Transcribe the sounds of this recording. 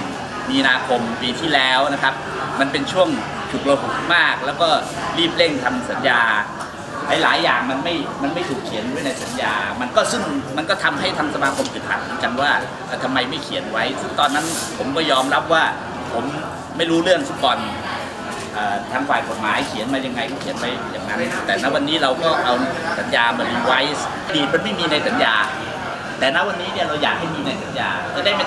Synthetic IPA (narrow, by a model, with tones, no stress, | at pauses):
miː˧naː˧kʰo˧mpiː˧t̪ʰiː˥˩lɛː˦˥wna˦˥kʰa˦˥p̚ | ma˧npe˧nt͡ɕʰu˥˩əŋ | t͡ɕʰu˨˩t̪̚ɾa˧ɦu˨˩t̪̚maː˥˩k̚lɛː˦˥wkɔː˥˩ | liː˥˩p̚le˥˩ŋt̪ʰa˧msa˩˦njaː˧ | laː˨˧˥jlaː˩˦jːaː˨˩ŋma˧nma˥˩jma˧nma˥˩jt̪ʰuː˨˩kʰːi˨˩˦ənuː˦˥˩na˧jsa˩˦njaː˧ma˧nkɔː˥˩sɯ˥˩ŋma˧nkɔː˥˩t̪ʰa˧mɦa˥˩jt̪ʰa˦˥ŋsa˧maː˧kʰo˧mt͡ɕi˨˩t̪̚ha̰˨˩t̚mɯ˩˦t͡ɕa˧nwaː˥˩ | ʔaː˧˩t̪ʰa˧mːa˧jma˥˩jkʰi˨˩˦ənwa˦˥jsɯ˥˩ŋt̪ɔː˧nːa˦˥n | pʰo˩˦mkɔː˥˩jɔː˧mɾa˦˥p̚waː˥˩ | pʰo˩˦mː | a˥˩jɾuː˦˥lɯ˥˩əŋsa˦˥˩kɔː˧n | ʔɤː˨˩t̪ʰaː˧ŋfaː˨˩jko˨˩t̪̚ma̰ː˩˦jkʰi˨˩˦ənmaː˧ja˧ŋːa˧jkɔː˥˩kʰḭ˨˩˦ənwa˦˥jjaː˨˩ŋːa˦˥n˩t̪ɛː˨˩na˦˥wa˧nːiː˦˥ɾa˧wkɔː˥˩ʔa˧wsa˩˦njaː˧mɯ˩˦əni˧˩wa˦˥j | ʔa˧diː˨˩t̪̚ma˧nma˥˩jmiː˧na˧jsa˩˦njaː˧ | t̪ɛː˨˩na˦˥wa˧nːiː˦˥ni˥˩ɾa˧wjaː˨˩k̚ha˥˩jmiː˧na˧jsa˨˩˦njaː˧kɛː˥˩daː˥˩jma˥˩